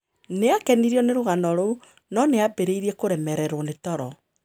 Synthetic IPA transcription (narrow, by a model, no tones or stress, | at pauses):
neakɛniɾiɔneɾoɣanɔɾo | nɔneabeɾeiɾiekoɾɛmɛɾɛɾwɔnetɔɾɔ